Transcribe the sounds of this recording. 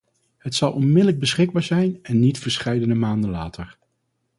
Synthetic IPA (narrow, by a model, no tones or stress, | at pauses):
ɦhətsɑlˠɔnmɪdələɡ̚bəsχɪɡ̚baːɹzɛjnɛnːitfəɹsχɛjdənəmaːndənla̰ːtəɹ